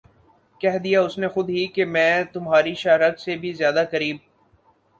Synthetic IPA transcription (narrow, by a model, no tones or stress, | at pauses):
kɛɦd̪ijaʊsnexʊd̪ɦikemɛ̃ːt̪ʊmɦaːɾiʃaːɾɐɡsebʱizjaːd̪akɐɾiːb̚